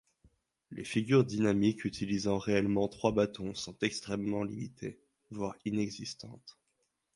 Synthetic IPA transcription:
lʔḛfiɡʲyʁd̪inamikyt̪ʰilizɑ̃ʁeɛlmɑ̃t̪χwabat̪ɔ̃sɔ̃t̪ɛkst̪χɛmːɑ̃limit̪ʰe | vwaʁinɛɡzist̪ɑ̰̃t̪

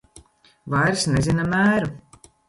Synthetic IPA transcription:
vajɾsnezʲinamæːɾu

